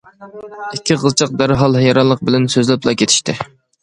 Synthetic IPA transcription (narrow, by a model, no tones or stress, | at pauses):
ɪkʲʰːiʁəzt͡ʃʰəq̚d̪æɾɦɑlˠɦjɑɾɑnlˠːəq̚bɪlɛnsøzlɪplˠɑkʲʰet̪ʰɪ̥ʃt̪ʰɪ